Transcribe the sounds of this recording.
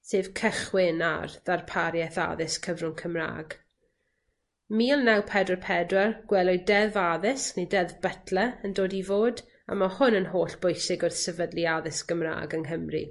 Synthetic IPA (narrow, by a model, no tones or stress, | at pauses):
seːv̥kʰəχwɪna̰rðarpʰaɾjɛθa̰ðɪskʰəvrʊŋkʰəmra̰ːɡ | miːɔlˠnɛwpʰɛdwɛrpʰɛdwɛrɡ̥wɛlˠɔjdɛvaðɪsknedɛðb̥ətʰləəndoːdivoːd | a̰mahʊnənɦoːɬb̥ʊjsɪɡʊrθsəvədlˠiaðɪsɡ̥əmra̰ːɡənɦəmrḭ